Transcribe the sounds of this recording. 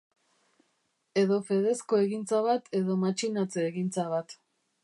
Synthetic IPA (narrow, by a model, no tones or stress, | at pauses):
e̞ðo̞fe̞ð̞e̞sko̞e̞ɣint͡saβat̪ʰe̞ðo̞mat͡ʃinat͡seːɣint͡saβat̪